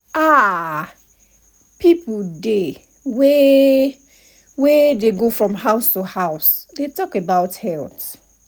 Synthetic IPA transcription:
a | piplde | wɛ | wɛdeɡofɹɔ̃mhaʊstuhaʊsdetɔkebaʊthɛlθ

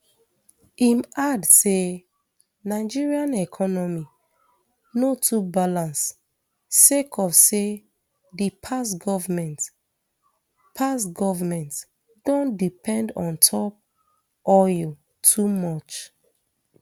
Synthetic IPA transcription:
imadse | naɪd͡ʒiɹiãnɛkʰɔnɔmi | notʰubalãns | sekʰɔfse | dipʰasɡɔvmɛ̃nt | pʰasɡɔvamɛ̃nt | dɔ̃ndipʰɛ̃ndɔ̃ntʰɔp̚ | ʔɔjl | tʰumɔt͡ʃ

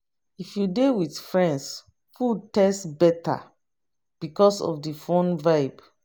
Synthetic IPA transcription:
ifjudewidfɹɛ̃nds | pʰutɛstbɛtʰa̰ | b̥ikɔsɔ̰fdəfõnvaɪb

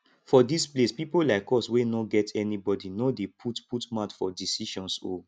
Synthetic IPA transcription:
fɔdisplespipolaɪkɔswenoɡɛtʰɛnibɔdinodepʰutputmat͡ʃfɔdisiʃɔ̃nso̰

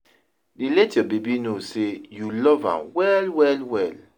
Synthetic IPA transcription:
dilɛtiɔbebinosejulɔvã̰nwɛlwɛlwɛl

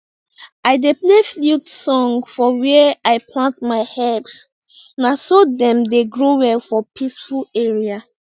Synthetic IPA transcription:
aɪdepleflutsɔ̃ŋfɔwɛaɪpʰlãnt̚maɪhɛps | nasodɛ̃mdeɡɹowɛlfɔpʰisfuleɹia

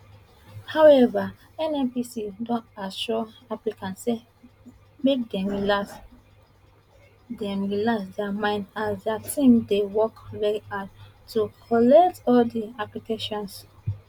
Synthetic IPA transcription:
haʊɛva | ɛ̃nɛ̃mpisidɔ̃ntaʃɔaplikʰãntse | mek̚dɛ̃mɹilas | dɛ̃mɹilasdɛamãɪ̃ndasdatĩmdewɔkɹɛa | tʰːukʰɔlɛktɔldiaplikʰeʃɔ̃ns

